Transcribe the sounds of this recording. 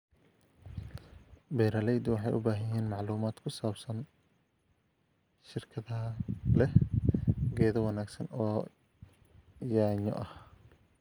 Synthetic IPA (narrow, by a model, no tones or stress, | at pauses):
bɛːɾɐlɛjd̪ʊwɑħɑjʔʊ̰baːɦɐjɛːnmɑʕluːmaːd̪kʰʊsaːbsɐn | ʃɪrkʰɐðɐɦɐlɛh | ɡɛːðɐwɑnaːɡsɐnɔː | jaːɲɔ̰ʔɐh